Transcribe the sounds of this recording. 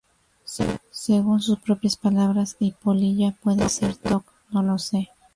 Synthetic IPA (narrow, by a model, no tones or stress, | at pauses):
se̞ɣuns̬uspɾo̞pjaspalaβɾasipoliʝapwe̞ðese̞ɾt̪ok | no̞lo̞se